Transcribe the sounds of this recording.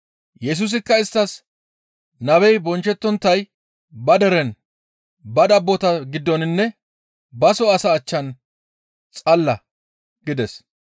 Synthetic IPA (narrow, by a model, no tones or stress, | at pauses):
jɛs̬uːs̬ɪkːɐɪst̪ːɐs | nɐbɛjbɔnt͡ʃːɛt̪ːɔnt̪ːɐj | bɐd̪ɛɾɛn | bɐd̪ɐbːɔt̪ɐɡɪd̪ːɔnɪnːɛ | bɐsɔɐsɐːt͡ʃːɐn | t͡sʼɐlːɐ | ɡɪd̪ɛs